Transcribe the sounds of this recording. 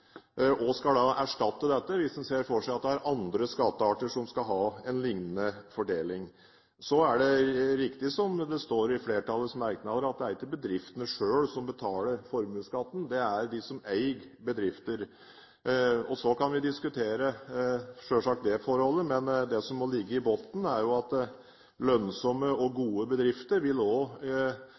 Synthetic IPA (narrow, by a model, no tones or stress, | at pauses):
ʔɔskɑld̪ɑʔæʂʈɑt̪ːəd̪ɛt̪ːəʋɪsd̪ɛnseːɾfɔʂæɪɑt̪̚d̪ɛæɾʔɑnd̪ɾəskɑt̪ːəɑːʈəʂɔmskɑlɦɑːɛnlɪŋnənəfɔɖeːlɪŋ | sɔæɖɛɾɪkt̪ɪsɔmd̪ɛst̪oːɾɪfleːʈʰɑlːəsmæɾknɑd̪əɾɑt̪̚d̪ɛæɾɪkːəbəd̪ɾɪft̪ənəʂøːlsɔmbət̪ʰɑːləɾfɔɾmʉːskɑt̪ːn̩d̪ɛæɾd̪ɪsɔmæɪɡbəd̪ɾɪft̪əɾ | ɔsɔkɑnʋɪd̪ɪskʉt̪ʰeːɾə | ʂøːʂɑk̚t̪̚d̪ɛfɔɾhɔlːəmɛnd̪ɛsɔmːɔlɪɡːəɪboːt̪n̩æɾjʊɑt̪ | lœnsɔməɔɡuːəbəd̪ɾɪft̪əɾʋɪlɔ